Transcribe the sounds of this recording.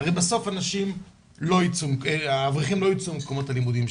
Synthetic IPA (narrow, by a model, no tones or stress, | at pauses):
ʁɛjbasofanaʃim | loit͡sumkavʁiχimlojit͡sumkomotalimud̪im